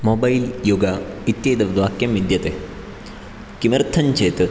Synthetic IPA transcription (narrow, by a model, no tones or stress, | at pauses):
moːbɐjljoɡɐit̪jeːd̪ɐʋd̪ʋaːkjɐmʋid̪jɐt̪eː | kimɐɾt̪ʰːɐɲt͡ʃeːt̪ɨ